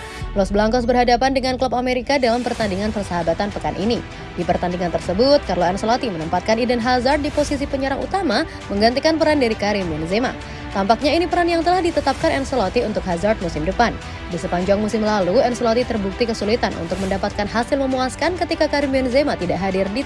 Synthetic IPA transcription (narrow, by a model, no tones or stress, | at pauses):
lɔsbəlaŋkɔsbərɦadapandəŋanklɔpameɾikadalampərt̪andiŋanpərsaɦabat̪anpəkanʔḭni | dipərt̪andiŋant̪ərsəbut̪̚karloɛnsolɔt̪imənəmpat̪̚kanidɛnɦazart̪̚diposis̬ipəɲəɾaŋṵt̪ama | məŋɡant̪ikanpəɾandaɾikaɾimiɔnzema̰ | t̪ampak̚ɲainipəɾanjaŋt̪əlahdit̪ət̪ap̚kanɛnsolɔt̪iunt̪ʊk̚ɦazart̪̚musɪmdəpan | disəpaɲd͡ʒaŋmusɪmlaluɛnsolɔt̪it̪ərbuk̚t̪ikəsulit̪anʔṵnt̪ʊk̚məndapat̪̚kanɦasɪlməmuaskankət̪ikakaɾimiɔnzemat̪idaʔɦadɪrdi